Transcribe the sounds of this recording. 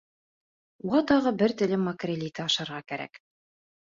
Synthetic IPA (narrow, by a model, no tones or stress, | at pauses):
wɑt̪ɑʁɤbɘɾt̪ɘ̆lɘmɑkrʲelʲit̪ɘɑʃɑɾʁɑkæɾæ̰k